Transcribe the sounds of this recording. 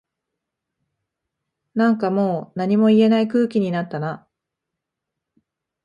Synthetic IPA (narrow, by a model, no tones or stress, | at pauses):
nãŋkamo̞ːnaɲ̟imo̞ie̞naikɯ̟ːkʲiɲ̟inat̪ːana